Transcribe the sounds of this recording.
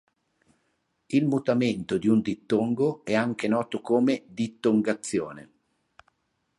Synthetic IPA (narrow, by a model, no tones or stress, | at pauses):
ilmut̪ament̪od̪iund̪it̪ːoŋɡoɛaŋk̟enɔːt̪okoːmed̪it̪ːoŋɡat̪sːjoːnḛ